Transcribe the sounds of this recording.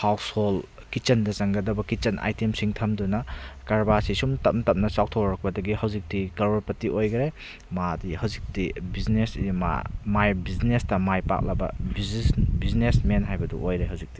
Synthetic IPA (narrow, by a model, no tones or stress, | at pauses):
hawshol | kit͡ʃɐndɐzɐŋɡɐdɐbɐkit͡ʃɐnʔa̰jtemsiŋtʰɐmdunɐkaɾbasisumtɐp̚ntɐp̚nɐsawk̚tʰowɾɐk̚pɐdɐɡihɐwzik̚tikɐɾoɾpɐtiʔojɡɐɾe | madihɐwzik̚tibiznesma̰majbiznestɐmajpa̰k̚lɐbɐ̰bisbiznesmenɦajbɐdṵʔojɾeɦɐwzik̚ti